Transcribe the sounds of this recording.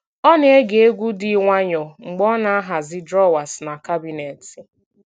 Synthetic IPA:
ɔ˦n˦e˦ɡe˨e˦ɡʷu˦di˦ŋʷa˦ɲɔ˨ŋ͡m̩˨ɡ͡bɔ˦na˨a˦ɦa˨zɪ˦dɾɔ˦wa˨sna˨ka˦bi˨ne˨ti˨

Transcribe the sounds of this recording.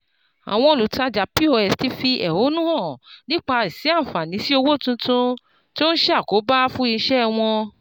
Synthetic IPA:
a̰˨w̃ɔ̃˧o˨lu˨ta˧d͡ʒa˨pi˦o˧ɛ˨sti˨˦fi˧ʔɛ˨ho˨˦nũ˦hɔ̃˦˨nĩ˦k͡pa˧i˨si˨˦ã˦˨fa˨nĩ˨˦si˦o˧wo˦˨tũ˧tũ˧ | ti˦o˦ñ̩˦ʃɛ˦a˦˨ko˨˦ba˦fũ˦i˧ʃɛ˦˧w̃ɔ̃˧

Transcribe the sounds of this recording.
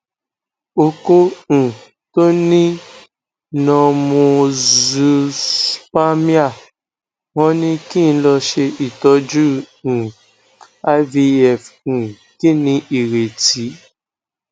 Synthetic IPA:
o˧ko˦ũ˨ | to˦nĩ˦ | nɔ̃˧mũ˧zu˧spa˦mĩ˦a˦˨ | wɔ̃˧˦nĩ˧kĩ˦˨n˦lɔ˧ʃe˧ʔi˨tɔ˨˦d͡ʒũ˦˨ | a˧vi˧ɛ˨fũ˨ | kĩ˦˨nĩ˧ʔi˨ɾe˨ti˨˦

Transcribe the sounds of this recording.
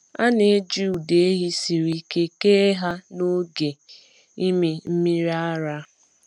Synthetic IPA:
a˦ne˨˦d͡ʒu˦u˨de˨e˦ɦi˦si˨ɾi˦ke˦ke˦ɦa˦no˦ɡe˨ | i˦me˦m̩˦mi˦ɾi˦a˦ɾa˦

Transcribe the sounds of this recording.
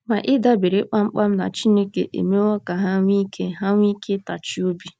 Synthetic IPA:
ma˨ʔɪ˦da˦be˨ɾe˦k͡pa˦ŋ͡m̩˦k͡pa˦m̩˦na̰˨t͡ʃi˦ne˦ke˨ʔḛ˨me˦ɔ˦ka˨ɦa˦ŋʷ˦i˦kʰe˦ɦa˦ŋʷ˦i˦kʰe˦ta˨t͡ʃi˦o˦bi˦

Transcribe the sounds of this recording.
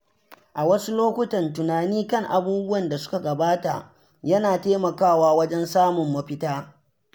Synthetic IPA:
ʔa˨wɐ˦su˦loː˦kʷʊ˦tɐ˨ntʊ˨naː˨niː˦kɐ˦˨ŋʔa˨buː˦bʊ˦wɐ˨nda˨sʊ̥˦ka˨ɡɐ˨baː˦ta̰˨ | jɐ˦naː˨teː˦mɐ˨kaː˦˨waː˦wɐ˦d͡ʒɛ˦nsaː˦mʊ˨mːɐ˦ɸɪ˦taː˦

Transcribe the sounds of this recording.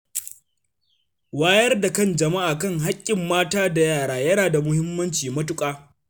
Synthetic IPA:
waː˦jɐ˦rda˨kɐ˦˨nd͡ʒɐ˨ma˦ʔaː˨kɐ˦ŋɦa˦kʲʼːɪ˨mːaː˦taː˦da˨jaː˦˨ɽaː˨jɐ˦naː˨da˨mʊ˦hɪ˦mːɐ˦nt͡ʃiː˨mɐ˦tʊ˦kʼaː˦

